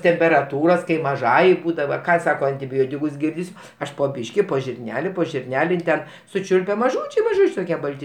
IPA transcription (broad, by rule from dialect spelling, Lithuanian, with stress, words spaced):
tʲɛmʲpʲɛrɐˈtuːroːs kɐɪ mɐˈʒɑːjɛɪ ˈbuːdɐʋɐ ˈkɑː ˈsɑːkɐ ɐnʲtʲɪˈbʲoːtʲɪkʊs ˈɡʲɪrʲdʲɪsʲ ˈɐʃ poː ˈbʲiːʃʲkʲɪ poː ʒʲɪrʲˈnʲæːlʲɪ poː ʒʲɪrʲˈnʲæːlʲɪ ɪn ˈtʲɛn sʊˈt͡ʃʲʊlʲpʲɛ mɐˈʒuːt͡ʃʲɛɪ mɐˈʒuːt͡ʃʲɛɪ toːˈkʲiɛ ˈbɐlʲtʲɪ